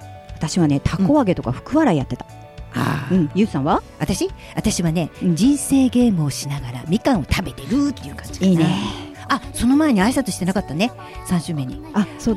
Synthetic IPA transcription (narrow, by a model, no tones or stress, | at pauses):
at̪aɕiβane̞t̪ʰako̞βaɡe̞t̪o̞ka̰ɸɯ̟̥kɯ̟βaɾaijat̪ːe̞t̪ḁ | a̰ɯ̟̃jɯ̟ːsãɰ̃βaβat̪aɕi | βat̪aɕiβane̞d͡ʑĩɰ̃se̞ːɡe̞ːmɯ̟oɕinaɡaɾamʲikãɰ̃o̞t̪ʰabe̞t̪e̞ɾɯ̟t̪ːejɯ̟ːkãɲ̟d͡ʑi̥ine | aso̞no̞maeɲ̟iaisat̪oɕi̥t̪e̞nakat̪ːane̞ | sãɰ̃ɕɨːme̞ɲ̟iasoː